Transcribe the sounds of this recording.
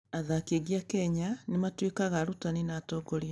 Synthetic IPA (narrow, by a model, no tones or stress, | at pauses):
aðakeɣiakɛɲanematwekaɣaɾutaninaːtɔːɡɔɾia